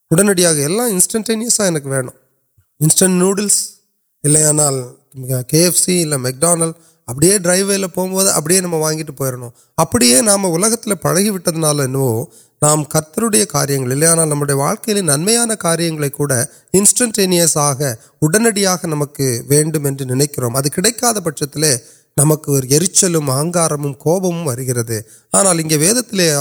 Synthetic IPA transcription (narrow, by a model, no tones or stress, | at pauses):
ʊɽɐnɐɽɪjaːɣɐɛlːãːɪnsʈɐɳʈenɪjɐsaːɛnɐkːɯʋeːɳʊ̰̃ | ɪnsʈɐɳʈnjuːɽɐls | ɪlːɐjaːnaːl | aːkeːɛfsiɪlːɐmɛk̚ɖaːnɐl | ɐpːɐɽɪjeːɖɾɐɪʋɾɪlɐpoːmboːðɯʔɐ̰p̬ːɐɽɪjeːnɐmːɐʋaːŋɡɪʈ̬ːɯpoːjɾɐɳʊ̃ | ɐpːɐɽɪjeːnaːmɐʊlɐɣɐt̪ːɪlɐpɐɻɐɣiʋɪʈːɐðɯnaːlɐɛnːɯʋoː | naːmkɐɾt̪ːɐɾɯɽɐjɐkaːɾɪjɐŋɡɐɭɪlːɐjaːnaːlnɐmːɯɽɐjɐʋa̰ːɭkɐjɪlɪnɐnmɐjaːnɐkaːɾɪjɐŋɡɐɭɐɪkːuːɽɐ | ɪnsʈɐɳʈeːnɪjɐsaːɣɐ | ʊɽɐnɐɽɪjaːɣɐnɐmɐkːɯʋeːɳɖɯmɛndrɯnɪnɛɪkːɪɾo̰ːmɐðɯkɪɽɐɪkːaːðɐpɐʈt͡ʃɐt̪ːɪleː | nɐmɐkːɯɔɾɯɛɾɯt͡ʃːɐlɯmaːŋɡaːɾɐmɯmkoːbɐmɯmʋɐɾɯɣɪɾɐðɯ | aːnaːlɪŋɡeːʋeːðɐt̪ːɪleː